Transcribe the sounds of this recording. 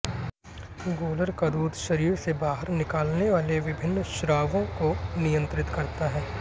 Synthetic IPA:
ɡoːləɾkad̪uːd̪ʱʃɐɾiːɾsebaːɦəɾnɪkaːlneʋaːleʋɪbʱɪnːʃɾaːʋõkonijə̃nt̪ɾɪt̪kɐɾt̪aɦɛː

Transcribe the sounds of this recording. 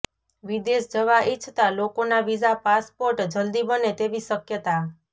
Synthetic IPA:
ʋid̪esd͡ʒəʋaʔit͡ʃʰt̪alokonaʋizapaspoɾʈd͡ʒəld̪ibənet̪eʋiʃəkjət̪a

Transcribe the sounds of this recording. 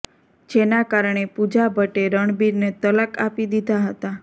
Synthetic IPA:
d͡ʒenakaɾɳ̃epud͡ʒabʱəʈeɾəɳ̃biɾnet̪ələkapid̪id̪ʱaɦət̪a

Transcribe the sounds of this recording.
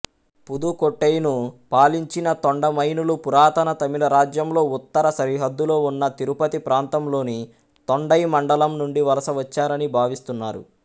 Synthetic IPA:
pud̪ukoʈːejnupaːliɲt͡ʃinɐt̪oɳɖɐmɐjnulupuɾaːt̪ɐnɐt̪ɐmilɐɾaːd͡ʒjɐmlo̞ːut̪ːɐɾɐsɐɾiɦɐd̪ːulo̞ːunːɐt̪iɾupɐt̪ipɾaːnt̪ɐmlo̞ːni | t̪oɳɖɐjmɐɳɖɐlɐmnuɳɖiʋɐlɐsɐʋɐt͡ʃːaːɾɐnibʱaːʋist̪unːaːɾṵ

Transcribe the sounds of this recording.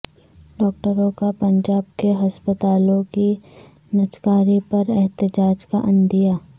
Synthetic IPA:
ɖɔːk̚ʈəɾõkapɐ̃ɲd͡ʒaːbkeɦɐspət̪aːlõki | nɐt͡ʃkaːɾipɐɾɛɦt̪ɪd͡ʒaːd͡ʒkaʔɐ̃nd̪ijaː

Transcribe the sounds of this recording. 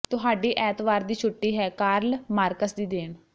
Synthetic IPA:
t̪ʊɦaːɖiːʔɛːt̪ʋaːɾd̪iːt͡ʃʰʊʈːiːɦɛːkaːɾlmaːɾkəsd̪iːd̪eːn

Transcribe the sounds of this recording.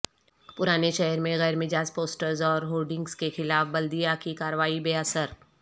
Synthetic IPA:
pʊɾaːneʃɛɦəɾmẽɣɛːɾmɪd͡ʒaːspoːsʈəɾzɔːɾɦoːlɖɪ̃ŋɡskexɪlaːfbɐld̪ijakikaːɾəʋaːibeːəsəɾ

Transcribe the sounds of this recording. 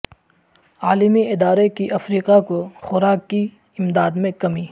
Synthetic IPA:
aːlɪmiʔɪd̪aːɾekiʔɐfɾiːqakoxʊɾaːkːi | ɪmd̪aːd̪mẽkɐmiː

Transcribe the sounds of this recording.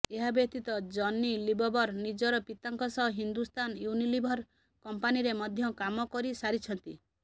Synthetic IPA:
eɦabjɔk̚t̪it̪ɔd͡ʒɔnːilibʱɔbɔɾnid͡ʒɔɾɔpit̪aŋkɔsɔɦɦind̪ust̪anjunilibʱɔɾ | kɔmpaniɾemɔd̪ʱjɔkamɔkɔɾisaɾit͡ʃʰɔnt̪i

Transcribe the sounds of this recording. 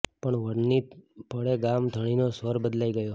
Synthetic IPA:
pəɳʋəɽnipəɽeɡamd̪ʱəɽ̃inosʋəɾbəd̪laiɡəjo

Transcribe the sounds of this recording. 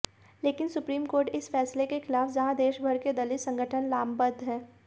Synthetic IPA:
leːkɪnsʊpɾiːmkoːɾʈɪsfɛːslekexɪlaːfd͡ʒɐɦãd̪eːʃbʱɐɾked̪ɐlɪsɐ̃ŋɡəʈʰənlaːmbəd̪ʱɦɛ̃ː

